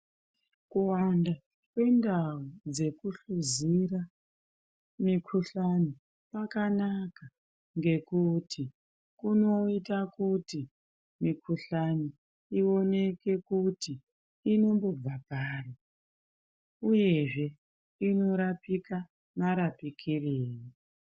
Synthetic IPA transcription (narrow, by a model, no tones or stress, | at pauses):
kuwanda | kwe̞ndaud͡ze̞kuɬuzira | mikʰuɬani | pakanaka | ŋɡe̞kutʰi | kuno̞itakuti | mikʰuɬani | io̞ne̞ke̞kutiː | no̞mbo̞b͡vapaːri | uje̞ʐe̞ | ino̞ɾapika | naɾapikʰireːri